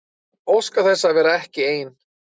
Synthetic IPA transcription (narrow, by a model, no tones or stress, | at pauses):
owskaθɛsːavɛːɾaɛhcɪeːjn